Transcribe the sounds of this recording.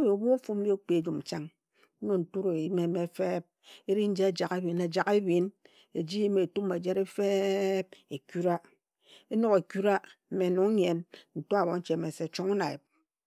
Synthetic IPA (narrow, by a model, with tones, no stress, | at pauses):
be˨o˨bu˦fu˦m̩˦bo˦k͡pe˨e˨d͡ʒu˨m̩˨t͡ʃa˦ŋ̩˦ | no˦˨n̩˨tu˦ɾo˨i˦me˨me˨˦fe˦p̚e˦ɾi˦n̩˦d͡ʒe˦a˦d͡ʒa˨ke˦bi˨na˨d͡ʒa˨ke˦bi˨n | e˨d͡ʒi˦i˦me˨tu˦me˨d͡ʒe˦ɾe˦fe˦p̚e˨ku˦ɾa˦ | e˦no˦ke˨ku˦ɾa˦m̩˨me˨no˨ŋ˦ɲe˨nn̩˨to˦a˨βo˨n̩˦t͡ʃe˨me˨se˨t͡ʃo˦ŋu˦na˨ḛ˨p̚